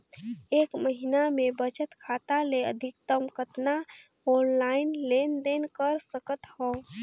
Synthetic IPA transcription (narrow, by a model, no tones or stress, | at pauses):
ekməɦinamebət͡ʃət̪kʰat̪aleə̰d̪ʱik̚t̪əmkət̪na | ɔnlaɪnlend̪enkəɾsəkət̪hɔ